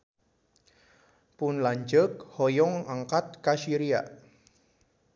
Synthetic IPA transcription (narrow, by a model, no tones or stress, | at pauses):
pʊnlaɲd͡ʒəkhɔjɔŋaŋkat̪̚kaʃiɾia̰